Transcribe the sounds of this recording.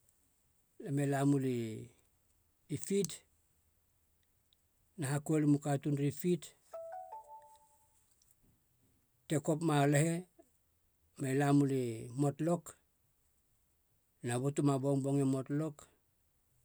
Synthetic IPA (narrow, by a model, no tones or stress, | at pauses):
lamelamuli | pit | naɦakuelimukatunɾipit | teko̞pmalehe̞ | mailamulimo̞tlo̞k | nabotumaboŋboŋemo̞tlo̞k